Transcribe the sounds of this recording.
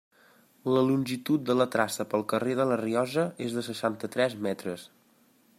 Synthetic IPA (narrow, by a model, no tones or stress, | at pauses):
ləlunʲʒit̪ut̪̚d̪ələt̪ɾasəpəlˠkəreðələriɔzəezðəsəʃant̪ət̪ɾɛzmɛt̪ɾəs